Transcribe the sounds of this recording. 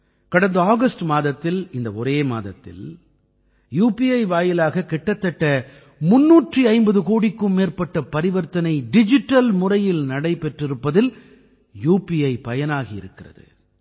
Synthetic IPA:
kɐɽɐnd̪ɐaːɣɐsʈmaːðɐt̪ːɪlɪnd̪ɐɔɾeːma̰ːðɐ̰t̪ːɪ̰l | juːpiɐɪʋaːjɪlaːɣɐkɪʈːɐt̪ːɐʈːɐ | mʊnːuːʈriɐɪmbɐðɯkoːɽɪkːɯmːeːrpɐʈːɐpɐɾɪʋɐɾt̪ɐnɐɪɖɪd͡ʒɪʈːɐlmʊrɐjɪlnɐɽɐɪpɛʈrɪɾɯpːɐðɪl | juːpiɐɪpɐjɐnaːɣiɪ̰ɾɯkːɪrɐ̰ðɯ̰

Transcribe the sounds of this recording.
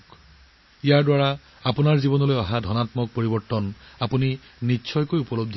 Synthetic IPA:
k | ijaɹdwaɹa | apunaɹzibɔnɔlojɔɦadʱɔnat̪mɔk̚poɹibɔɹt̪ɔnapuni | nitːsʰɔjkojupɔlob̚d̪ʱ

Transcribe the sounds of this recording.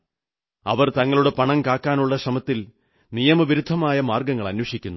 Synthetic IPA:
ɐ̰ʋɐrt̪ɐŋːɐɭuɽe̞pɐɳɐmkaːkːaːnuɭːɐɕrɐmɐt̪ːil | nijɐmɐʋiɾud̪ʱːɐmaːjɐmaːrɡɐŋːɐɭɐnwɐʂikʲːunːu

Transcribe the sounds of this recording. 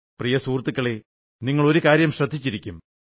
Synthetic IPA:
prijɐsuːrt̪ːikːɐɭe | niŋːɐɭo̞ɾukaːɾjɐmɕrɐd̪ʱːit͡ɕːiɾikʲːum

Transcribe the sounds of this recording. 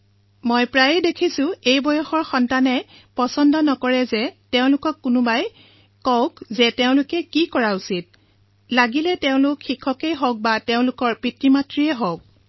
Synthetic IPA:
mojpɹajɛdekʰisʊ̃ejbɔjɔxɔɹxɔntanɛ | pɔsɔndɔnɔkɔɹɛzɛteʊ̃lʊkɔkːʊnʊbaj | kɔʊkzɛteʊ̃lʊkɛkikɔɹausit̚ | laɡilɛteʊ̃lʊkxikʰːɔkejɦɔk̚bateʊ̃lʊkɔɹpɹitɹimatɹiɛɦɔk̚

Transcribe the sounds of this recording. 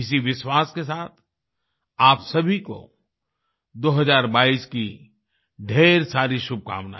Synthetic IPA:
ɪsiʋɪʃwaːskesaːt̪ʰ | aːpsɐbʱiko̰ | d̪oːɦɐzaːɾbaːiski | ɖʱeːɾsaːɾiʃʊb̚ka̰ːmna̰

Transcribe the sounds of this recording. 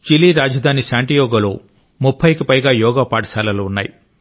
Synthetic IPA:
t͡ʃiliːɾaːd͡ʒɐd̪ʱaːnisaːɳʈijɔːɡɐloː | mupʰːɐjkipɐjɡaːjɔːɡaːpaːʈɐsaːlɐluːnːa̰ːji

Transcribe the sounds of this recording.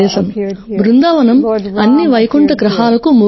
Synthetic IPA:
ɛːʃɐmbɾund̪aːʋɐnɐmɐnːiʋɐjɐkuɳʈɐkɾɐɦaːlɐkumu

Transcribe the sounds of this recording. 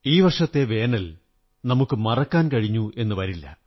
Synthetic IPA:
iːʋɐrʂɐt̪ːe̞ʋe̞ːnɐl | nɐmukːɨmɐrɐkːaːnkɐɻiɲːuʔe̞nːɨʋɐɾilːɐ̰

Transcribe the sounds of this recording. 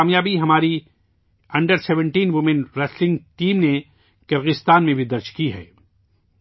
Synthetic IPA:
aːmjaːbiɦɐmaːɾi | ɐ̃ɳɖəɾsɛːʋə̃ɳʈiːnʋʊmɪ̃nɾɛslɪ̃ŋɡʈiːmne | kɐɾɣɪst̪aːnmẽbʱid̪ɐɾt͡ʃkiɦɛ̰ː

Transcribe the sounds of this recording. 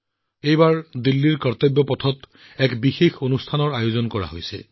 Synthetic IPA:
ejbaɹdilːiɹkaɹt̪ɔbːɔpɔtʰɔt | ɛkbixexonustʰanɔɹajozɔnkɔɹa̰ɦojsɛ̰

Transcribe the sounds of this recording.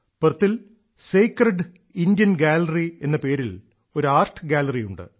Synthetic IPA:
pɨrt̪ːil | seːkreɖ | ind̪jɐnɡaːlɐrie̞̰nːɐpe̞ːɾil | o̞ɾuaːrʈʰːɨɡaːlɐrijuɳɖɨ̰

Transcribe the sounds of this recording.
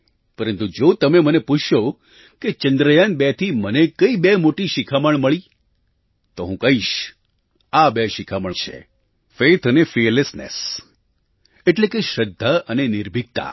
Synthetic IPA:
pəɾənt̪ud͡ʒot̪əmeməneput͡ʃʰjo | ket͡ʃənd̪ɾəjanbet̪ʰimənekəibemoʈiʃikʰaməɳməɭi | t̪oɦũkəɦiʃ | abeʃikʰaməɳt͡ʃʰḛ | fet̪ʰənefeɾlesnḛs | eʈlekeʃəd̪ʱːəənenɪɾbʱik̚t̪a̰

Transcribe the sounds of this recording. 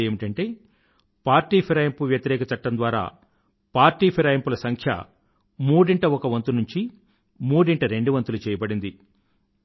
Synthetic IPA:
eːmiʈɐɳʈeː | paːɾʈːiːpʰiɾɐːjɐmpuʋjɐt̪iɾɛːkɐt͡ʃɐʈːɐnd̪ʋaːɾa̰ː | paːɾʈiːpʰiɾaːjɐmpulɐsɐŋkʰjɐ̰ | muːɽiɳʈɐɔkɐʋɐnt̪unuɲt͡ʃi | muːɽiɳʈɐɾe̞ɳɖuʋɐnt̪ulut͡ʃɛːjɐbɐɽind̪i

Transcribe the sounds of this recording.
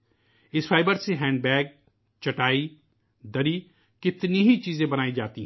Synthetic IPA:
ɪsfʰaːɪbəɾseɦɛ̃ːɳɖbɛːɡ̚ | t͡ʃɐʈaːi | d̪ɐɾiː | kɪt̪niɦit͡ʃiːzẽbɐnaːid͡ʒaːt̪iɦ

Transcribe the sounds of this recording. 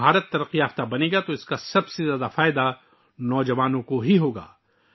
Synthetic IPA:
aːɾət̪ːɐɾəqːijaːft̪abɐneːɡat̪oɪskasɐbsezjaːd̪afaːɪd̪a | nɔːd͡ʒɐʋaːnõkoɦiɦoːɡa̰ː

